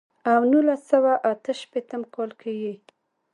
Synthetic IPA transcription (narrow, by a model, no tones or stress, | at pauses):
awnulasawaʔat̪əʃpet̪əmkʰɑlkʰawi